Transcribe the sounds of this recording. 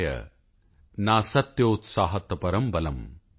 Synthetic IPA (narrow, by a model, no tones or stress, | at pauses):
jɐ̰ | naːsɐt̪jout̪saːɦɐt̪ːɐpɐɾɐmbɐlɐm